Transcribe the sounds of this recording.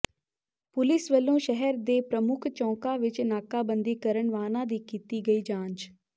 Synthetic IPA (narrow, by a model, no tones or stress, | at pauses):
pʊlɪsʋəlːõːʃɛɦɛɾd̪eːpɾəmʊkʰt͡ʃɔ̃ːkaʋɪt͡ʃnaːkaːbə̃nd̪iːkəɾəɳʋaːnãːd̪iːkiːt̪iːɡəiːd͡ʒãːnt͡ʃ